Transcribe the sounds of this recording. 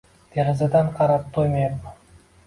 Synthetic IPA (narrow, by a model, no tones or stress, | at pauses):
d̪̥eɾɪzad̪aɴqʰɑɾɑp̚t̪ʰojmej